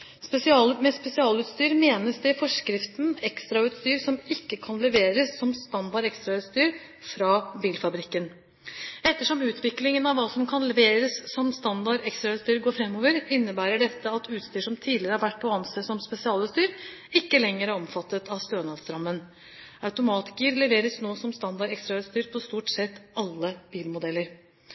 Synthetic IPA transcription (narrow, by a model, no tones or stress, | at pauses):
spɛsɪɑlmɛspɛsɪɑːlʉːt̪st̪yːɾmeːnəsd̪ɛfɔʂkɾɪft̪nɛkst̪ɾɑʉːt̪st̪yːɾsɔmɪkːəkʰɑnlɛʋeːɾəsːɔmst̪ɑnd̪ɑɾɛkst̪ɾɑʉːt̪st̪yːɾ | fɾɑːbiːlfɑbɾɪkːən | ɛt̪ːəʂɔmʉːt̪ʰʋɪklɪŋənɑʋʋɑːsɔmkʰɑnlɛʋeːɾəsːɔmst̪ɑnd̪ɑɾɛkst̪ɾɑʉːt̪st̪yːɾɡoːɾfɾɛmːoːʋəɾɪnːəbæːɾəɖɛt̪ːəɑt̪ʉːt̪st̪yːʂɔmt̪ʰiːd̪lɪɾəhɑɾʋæʈ̚ːpʰɔɑnsəsɔmspɛsɪɑːlʉːt̪st̪yːɾɪkːəlɛŋːəɾæɾɔmfɑt̪ːət̪ʰɑʋst̪øːnɑlsɾɑmːən | ɑʉt̪ʊmɑːt̪ɪ̥kəɾlɛʋeːɾəsnoːsɔmst̪ɑnd̪ɑɾɛkst̪ɾɑʉːt̪st̪yːɾpʰɔst̪uːʈsɛt̪ːɑlːəb̥iːlmʊd̪ɛlːəɾ